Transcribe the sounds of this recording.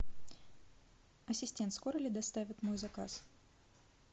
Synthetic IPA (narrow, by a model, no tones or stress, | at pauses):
ɐsʲɪsʲtʲent̪sko̞ɾəlʲɪd̪ɐst̪avʲɪt̪mo̞jzɐka̰s